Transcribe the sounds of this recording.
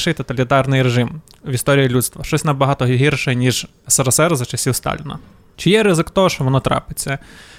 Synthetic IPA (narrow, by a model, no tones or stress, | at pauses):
ʃɪjt̪ɔt̪ɐlʲit̪ɑrnɪjɾeʒɪm | ʋʲist̪ɔɾʲijilʲut̪st̪ʋɐʃt͡ʃɔsʲnɐbɐɦɑt̪ɔɦɦʲirʃɛjnʲiʒ | sɐɾɐsɛɾzɐt͡ʃɪsʲiwst̪ɑ̰lʲinɐ̰ | t͡ʃɪjɛɾɪzɪkt̪ɔɦɔʃt͡ʃɔʋɔnɔt̪ɾɑ̰pɪt͡sʲːɐ